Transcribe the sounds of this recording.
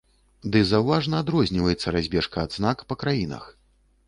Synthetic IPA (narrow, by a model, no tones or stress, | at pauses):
d̪ɨzɐwvaʐnɐːd̪ɾɔzʲnʲivɐjɛt̪sːɐɾazʲbʲɛʂkɐːd̪znakpɐkɾajinɐ̰x